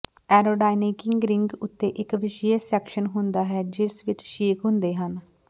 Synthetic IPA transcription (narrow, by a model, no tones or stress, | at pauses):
ɛːɾoːɖaːɪnikɪŋɡɾɪŋɡʊt̪ːeːʔɪkʋɪʃijəsɛːkʃənɦʊnd̪aːɦɛːd͡ʒɪsʋɪt͡ʃʃiːkɦʊ̃nd̪eːɦən